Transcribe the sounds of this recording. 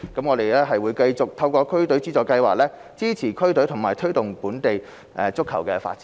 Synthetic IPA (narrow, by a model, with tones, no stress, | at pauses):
kɐ˨˥mŋɔː˨˧ɾe˨jlɛː˥ɦɐ˨jwuː˨˧jkɐ˧jt͡sʊ˨k̚t̪ʰɐ˧wkɔː˧kʰɵ˥ɥt̪ɵ˨˥ɥt͡siː˥t͡sɔː˨kɐ˧jwaː˨k̚lɛː˥ | t͡siː˥t͡sʰiː˨˩kʰɵ˥ɥt̪ɵ˨˥ɥt̪ʰʊ˨˩ŋmaː˨˩jt̪ʰɵ˥t̪ʊ˨˩ŋpuː˨˥nt̪e˨j | ʔɛ˨˧t͡sʊ˥kʰːɐ˨˩wkɛː˧fa̰ː˧t̚t͡siː˨˦